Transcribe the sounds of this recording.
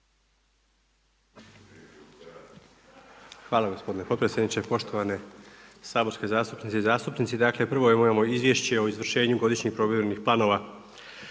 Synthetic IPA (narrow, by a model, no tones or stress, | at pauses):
xʋaːlˠaɡosp̞d̪ine̞po̞t̪pɾesʲjed̪nit͡ɕepo̞ʃt̪o̞ʋane̞saːbo̞ɾske̞zaːst̪upnit̪eizaːst̪upnit̪sid̪aːkle̞pr̩ʋo̞imomamoizʋje̞ʃt͡ɕe̞oizʋr̩ʃe̞ːɲuɡo̞d̪iʃɲixpɾo̞ʋjiɾenixplˠaːno̞ʋa